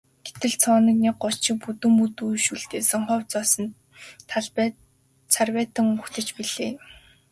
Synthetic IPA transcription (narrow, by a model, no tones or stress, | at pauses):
ɡ̥et̪ɘ̆ɮt͡sʰɔːnə̆knikɢɔt͡ɕɪ̆k̚put̪ɵ̆mput̪ujʃuɮt̪eːsɔ̆ŋχɔːwt͡sɔːsɞ̆n | t̪ʰ | t͡sʰarwæːt̪ə̆ŋu̥t̪ɘ̆t͡ɕpiɮeː